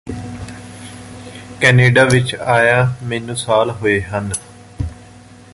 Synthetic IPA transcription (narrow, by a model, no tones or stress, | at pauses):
kɛːneːɖaːʋɪt͡ʃaːjaːmeːnũːsaːlɦoːeːɦən